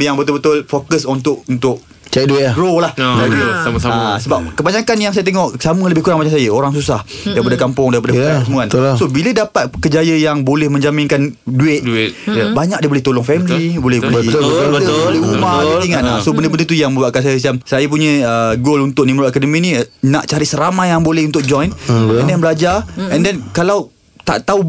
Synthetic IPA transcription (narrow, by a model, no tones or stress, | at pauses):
jaŋbət̪ʊlbət̪ʊlfokəsɔnt̪ʊʔunt̪ʊʔ̚ | t͡ʃɛduɪɡɾolahd͡ʒaisamasasəbap̚kəbaɲakanjaŋsajat̪eŋɔʔsamələbɪhkuɾaŋbaɲaʔs̬ajəoɾaŋsusah | daɾipadəkampʊŋdaɾipadəfsəmuansobilədapat̪̚kəd͡ʒajəjaŋbolɛhmə̃ɲd͡ʒamɪnkanduɪt̪̚dt̪jbaɲak̚diəbolɛht̪olʊŋfɛmlibolɛhbolbəboliumaiŋanlasobəndəbəndət̪ujaŋmə̃baʔkans̬ajəs̬iamsajap̬uɲə̃əɡolunt̪ʊʔnimɾɔakadəmĩnĩnaʔt͡ʃaɾisəɾamajjaŋbolɛhunt̪ʊʔ̚d͡ʒɔjndɛnbəlad͡ʒaɛndɛnkalaw | t̪a̰ʔt̪au